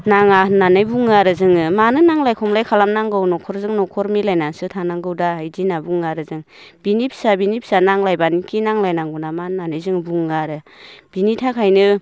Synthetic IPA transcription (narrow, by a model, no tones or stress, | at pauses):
naŋananɯjbuŋaɾɯzɯŋɯmanɯnaŋlajkʰɔmlajkʰalamnaŋɡɯwnɔkʰɔɾzɯŋnɔkʰɔɾmilajnansɯtʰanaŋɡɯwdaɦajdinabuŋaɾɯzɯŋ | b̥inip̚sabinip̚sanaŋlajbanikʰinaŋlajnaŋɡunamanɯnanɯjzɯŋbuŋaɾɯ | b̥initʰakʰajnɯ